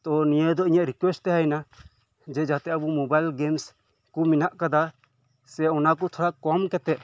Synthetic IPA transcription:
t̪ɔnijəd̪ɔiɲaʔɾikwɛsʈt̪ɛɦajna | d͡ʒɛd͡ʒat̪ɛabumɔbajlɡɛms | kɔminaʔkad̪a | sɛɔnakɔt̪ʰɔɽakɔmkɛt̪ɛʔ

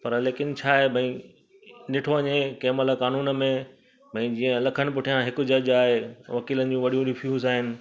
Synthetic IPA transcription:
pɐɾleːkɪn̆t͡ɕʰaːɦebʱɐ̃ĩ | ɗɪʈʰoɐɲekeːmələkaːnuːnə̆mẽ | bʱɐ̃ĩd͡ʑiːə̃lɐkʰəɽ̃ɪ̆p̬ʊʈʰijãɦɪkʊd͡ʑɐd͡ʑaːɦeʋɐkiːlənɪ̆d͡ʑũʋɐɗijũɾɪfʰjuːzaːɦɪnɪ̆

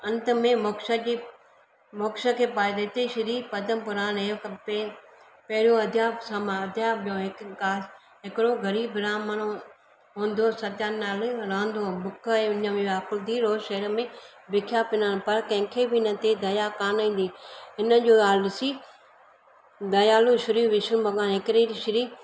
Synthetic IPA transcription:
ɐ̃nt̪əmẽmoːkʃəd͡ʑi | moːkʃə̆kʰeːpaːɪd̪ɐɪt̪eʃɐɾiːpɐd̪əmpʊɾaːnekp | pɐɦɪɾijõɐd̪ʱjasamaɐd̪ʱjaːbijõɦɪkkaː | ɦɪkɪɽoɡɐɾiːbɾaːməɽ̃ | ɦũːn̆d̪osɐt̪jaːnnaːlɾãːnd̪obʊkʰəẽʊɲəmẽʋaːkʊlt̪iːɾoːzʃɐɾəmẽ | bɪkʰjaːpɪnaːnpɐɾkɐ̃ɦɪ̃kʰeːbɪɪnət̪ed̪ɐjaːkaːnĩːnd̪iːɪnəd͡ʒoːaːlɪsiː | d̪ɐjaːluʃʊɾiːʋɪʃʊbɐɡãːnɦɪkɾiːɾʃɪɾiː

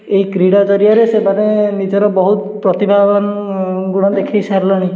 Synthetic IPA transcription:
ejkɾiɽɔd͡ʒɔɾijaɾesebanenid͡ʒɔɾɔbɔɦut̪pɾɔt̪ibʱabɔnɡuɽ̃ɔd̪ekʰajsaɾlɔɽ̃i

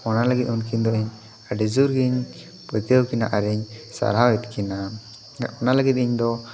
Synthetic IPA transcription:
ɔnaləɡit̪̚unkiɲd̪ɔiɲ | əɖid͡ʒuɾɡiɲ | pət̪əwkinaʔaɾɛɲsa̰ɾɦawɛt̪̚kina | ɔnaləɡit̪̚ˀiɲd̪ɔ

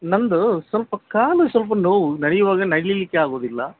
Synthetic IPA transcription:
nɐnd̪usɐlpɐkaːlusɐlp̬ɐnoːʋunɐɽɛjɐʋaːɡɐnɐɽlilikːeaːɡoːd̪ilːɐ̰

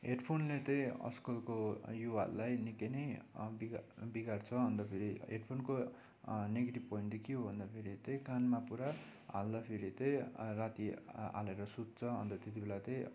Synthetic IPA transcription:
ɦeɖpʰonlet̪ʌj̃ʌ̰skʌlkojuwalːajnikenʌjbiɡbiɡart͡sʰʌɦʌnd̪ʌpʰeɾiḛɖpʰonko | neɡeʈibpʌind̪ikiobʱʌnd̪apʰeɾit̪ʌj̃kanmapuɾaa̰ld̪ʌpʰeɾit̪ʌjrat̪ia̰leɾʌsud̪̚t͡sʰʌɦʌ̰nd̪ʌt̪et̪ibelat̪ʌ̃j̃

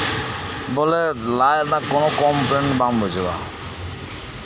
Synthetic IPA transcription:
bɔlelajɾnakonokɔmpɾeɳbambʱod͡ʑʱeba̰

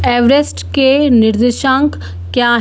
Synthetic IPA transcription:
ɛːʋɾesʈkenɪɾd̪ɪʃãːŋk | kjaːɦ

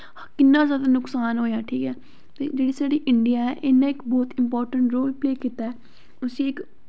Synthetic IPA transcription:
kɪnːaːzjaːd̪aːnʊksaːnɦoːjaːʈʰiːkɛː | t̪ḛːd͡ʒeːɽiːsaːɽiːʔɪɳɖɪjaːɛ̰ːʔɪnːẽːɪkbɔːt̪ɪmpɔːɾʈəɳʈɾoːlpleːkiːt̪aɛː | ʊsĩːɪk

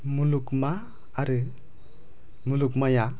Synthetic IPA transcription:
mulukmaː | ɾɯ | mulukmʌja

